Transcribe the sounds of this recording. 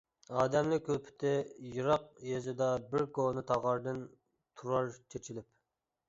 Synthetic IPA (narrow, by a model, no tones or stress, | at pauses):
ɑːd̪ɛmlɪk̚ʲʰːøpʰɪ̥t̪ʰɪjɨɾɑq̚jezɪd̪ɑbɪɾɡonɨt̪ʰɑʁɑɾd̪ɨn | t̪ʰuɾɑɾt͡ʃʰet͡ʃʰilɪp